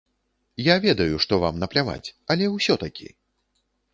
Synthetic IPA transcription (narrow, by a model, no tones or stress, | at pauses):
javʲɛd̪ɐjuʂt̪ɔva̰mnɐplʲava̰t͡sʲɐlʲɛwsʲɔt̪akʲḭ